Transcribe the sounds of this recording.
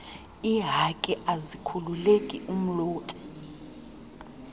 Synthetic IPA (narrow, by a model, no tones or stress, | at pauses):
iɦakʼɛʔazikʰululekʼḭʔum̩loːtʼɛ̥